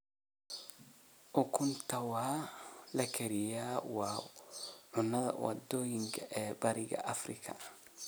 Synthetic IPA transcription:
ʔʊkʰʊnt̪ʰɐwaːlɐkʰɛɾɪjaːwɑː | ʕʊnɐðɐ̰wɐ̰d̪ɔːjɪŋkʰɐʔɛːbɐɾɪɣɐ̰ʔɐfrɪkʰɐ̰

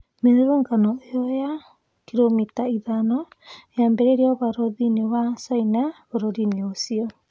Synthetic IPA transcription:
meɾeɾoŋɡanɔeɔja | kiɾomitaiðanɔeambɛɾeɾiɔβaɾɔðinewasaina | oɾoɾineosiɔ

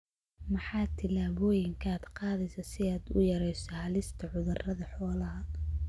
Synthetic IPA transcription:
mɐħɑːt̪ʰɪlaːβɔːjɪŋkʰaːd̪qɑːðɛjsɐsɪaːd̪ʊ̰jɐɾɛjsɐhɐlɪst̪ʰɐʕʊðɐrɐðɐħɔːlɐɦɐ

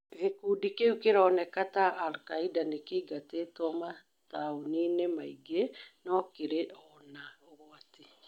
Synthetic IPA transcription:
ɣekudikeukeɾɔnɛkataʔːlkaidanekeiɡateːtwɔma | taoninemaiɡenɔkeɾeʔɔnaoɣwati

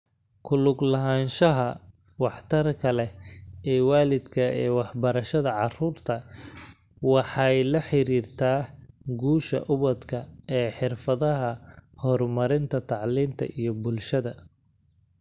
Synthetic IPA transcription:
kʰʊlʊɡlɐɦaːnʃɐɦɐ | wɑħt̪ʰɐrkʰɐlɛɛːwaːlɪd̪kʰɐɛːwɑħbɐɾɐʃɐðɐʕɑruːrt̪ʰɐ | wɑħɑjlɐħɪɾiːrt̪ʰaːɡuːʃɐ̰ʔʊβɐd̪kʰɐɛːħɪrfɐðɐɦɐhɔrmɐɾɪnt̪ʰɐt̪ʰɑʕliːnt̪ʰɐ̰ʔijɞbʊlʃɐðɐ

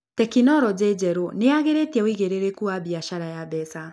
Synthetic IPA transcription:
tɛkinɔɾɔd͡ʑed͡ʑɛɾoneaɣeɾetɛwiɣeɾeɾekuabiaʃaɾajabɛsa

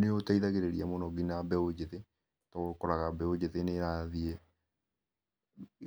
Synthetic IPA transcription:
neotaiðaɣeɾeɾiamonɔɡinabɛod͡ʒeðe | tɔkɔɾaɣabɛod͡ʑeðeneɾaðiɛ

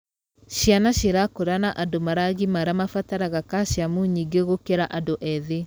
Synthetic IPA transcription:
ɕjanaɕeɾakoɾanaʔadomaɾaɣimaɾamafataɾaɣakaʃjamuɲiɡeɣokeɾaʔadoʔɛðe

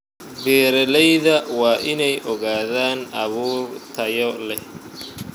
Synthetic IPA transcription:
bɛːɾɐlɛjðɐwɑːʔɪnɛjʔɔɣaːðaːnʔɐβuːrt̪ʰɐjɔlɛ

